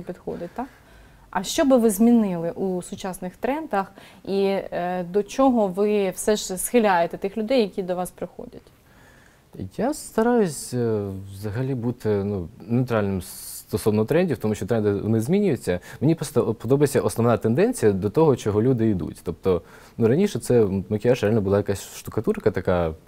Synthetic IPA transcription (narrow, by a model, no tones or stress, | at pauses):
pʲid̪xɔ̰d̪ɪt̚ʲt̪ɑk | ɐʃt͡ʃɔbɪʋɪzmʲinɪlˠɪʔusʊt͡ʃɑsnɪxt̪ɾɛnd̪ɐxid̪ɔt͡ʃɔɦɔʋɪwsɛʒsxɪlʲajet̪ɛt̪ɪxlʲʊd̪ɛjɐkʲid̪ɔʋɑspɾɪxɔ̰dʲɐtʲ | jast̪ɐɾɑjʊsʲʋzɐɦɐlʲibut̪ɪnunewt̪ɾalʲnɪmst̪ɔsɔʋnɔt̪ɾɛnʲdʲiwt̪ɔmuʃʲt͡ʃɔt̪ɾɛnd̪ɪʋɔ̰nɪzmʲinʲʊjʊt͡sʲːɐmenʲipɾɔst̪ɔpɔd̪ɔbɐjesʲɐʔɔsnɔʋnat̪end̪ɛnʲt͡sʲijɐd̪ɔt̪ɔɦɔt͡ʃɔɦɔlʲud̪ɪid̪ṵtʲt̪ɔp̚t̪ɔ | nuɾɐnʲiʃɛt̪sɛmɐkʲɪaʃɾealʲnbʊlˠajɐkasʲʃt̪ʊkɐt̪uɾkɐt̪ɐka